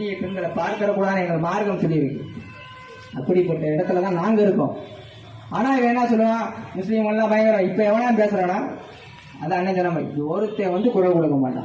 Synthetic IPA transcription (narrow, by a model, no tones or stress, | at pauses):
ɪjɐpɛnɡ̪ɐɭɐpaːɾkɐɾɐkːuːɽaːnɐ̃ɛŋɡɐɭɐmaːɾɣɐmsɔlːɪɪɾɯkːɯ̰̃ | ɐpːɐɽipɐʈːɐɛɽɐt̪ːɯlɐt̪ãːnaːŋɡɐɪɾɯkːõ̰ː | aːnaːɪʋɐɛnːaːsɔlːɯʋãːmʊslɪmɐlːãːbɐjɐŋɡɐɾɐ̃ɪpːɐɛʋɐɭãːpeːsɐɾɐ̃ːnaː | ɐðɐɐnːɐd͡ʒɐnɐmɐɔɾɯt̪ːeːʋɐnd̪ɯkʊɾɐʋɐkɔɽɯkːɐmaːʈːã̰ː